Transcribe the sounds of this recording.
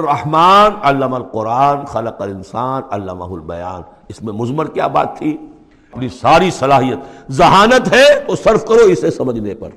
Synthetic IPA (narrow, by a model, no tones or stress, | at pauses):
rːɐhmaːnɐlːəmɐlqʊɾaːnxɐləqɐlɪnsaːnɐ̰lːəmɐ̰ɦʊlbɐ̰ja̰ːn | ɪsmẽmʊzməɾkija̰ːba̰ːt̪ʰːi | ɐpnisaːɾisɐlaːɦijət̪zɐɦaːnət̪ɦɛt̪osɐɾfkɐɾoɪsesɐməd͡ʒnepɐ̰ɾ